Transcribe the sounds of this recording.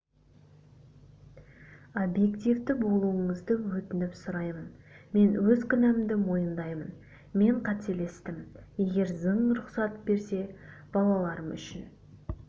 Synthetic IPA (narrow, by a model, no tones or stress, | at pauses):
obje̞kt̪ijvd̪ɪbo̞lˠuəɴəzd̪əwɵt̪ɪnɪpsʊɾɑjmənme̞nwɵzkʲʰʏnæmd̪ɪmo̞jənd̪ɑjmən | me̞ɴqʰɑt̪e̞le̞st̪ɪmje̞ɡʲe̞ɾzəɴɾʊqsɑt̪be̞ɾse̞b̥ɑlˠɑlˠɑɾəmʏ̰ʃɪn